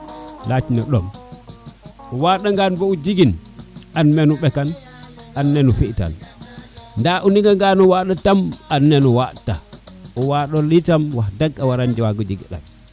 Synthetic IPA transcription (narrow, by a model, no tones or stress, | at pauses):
lat͡ʃinɔɗɔm | uwaɗaŋɡanbɔud͡ʒiɡinʔanmɛnuɓɛkananːɛnufita̰n | ndaʔuniŋɡaŋɡanɔwaɗatamanːɛnɔwataɔwaɗɔlitamwahdaɡːawaɾand͡ʒɛwaɡud͡ʒiɡiɗa̰n